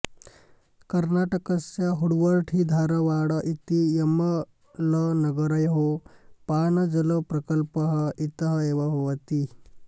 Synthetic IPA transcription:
kɐɾnaːʈɐkɐsjɐɦuɽʋɐɾʈʰid̪ʱaːɾɐʋaːɽɐʔit̪ijɐmɐ | lɐnɐɡɐɾɐjɦopaːnɐd͡ʒɐlɐpɾɐkɐlpɐɦɐit̪ɐɦɐeːʋɐɦoʋɐt̪i

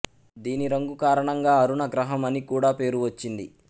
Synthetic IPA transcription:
d̪iːniɾɐŋɡukaːɾɐɳɐŋɡaːɐɾuɳɐɡɾɐɦɐmɐnikuːɽaːpe̞ːɾuʋɐt͡ʃːind̪ḭ

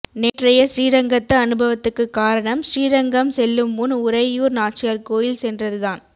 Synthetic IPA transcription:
neːʈrɐjɐsɾiːɾɐŋɡɐt̪ːɐːnɯbʱɐʋɐt̪ːɯkːɯkːaːɾɐɳɐmsɪɾiːɾɐŋɡɐmsɛlːɯmːʊnʊɾɐɪjuːɾnaːʈ̚t͡ʃːɪjɐɾkoːjɪlsɛndrɐðɯðaːn

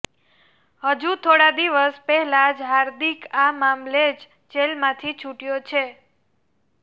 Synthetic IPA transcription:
həd͡ʒut̪ʰoɽad̪iʋəspɛɦɛlad͡ʒɦaɾd̪ikamamled͡ʒ | t͡ʃelmãt̪ʰit͡ʃʰuʈjot͡ʃʰe

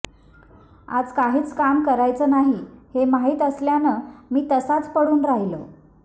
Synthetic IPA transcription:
a̰d͡zkaɦiːt͡skamkəɾajt͡səːnaɦihemaɦiːt̪əsljanəːmiːt̪əsat͡spəɽuːnɾaɦilo

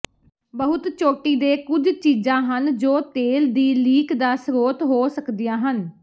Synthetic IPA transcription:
bəɦʊt̪t͡ʃoːʈiːd̪eːkʊd͡ʒt͡ʃiːzãːɦənd͡ʒoːt̪eːld̪iːliːkd̪aːsɾoːt̪ɦoːsəkd̪ijãːɦən

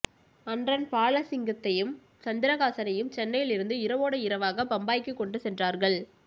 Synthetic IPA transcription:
ɐndrɐnpaːɭɐsɪŋɡɐt̪ːɐjɯm | sɐnd̪ɪɾɐɣaːsɐnɐjɯmt͡ʃɛnːɐjɪlɪɾɯnd̪ɯɪɾɐʋoːɽɐɪɾɐʋaːɣɐbɐmbaːjkːɯkːɔɳɖɯsɛndraːɾɣɐɭ

